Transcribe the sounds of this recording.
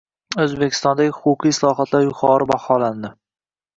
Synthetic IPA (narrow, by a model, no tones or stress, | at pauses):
ɵzbekʲʰɪ̥st̪ɒnd̪aɡʲɪhʊqʊqʰijslˠɒɦɒt̪ʰlaɾjʊqʰɒɾɪbahɒland̪ɪ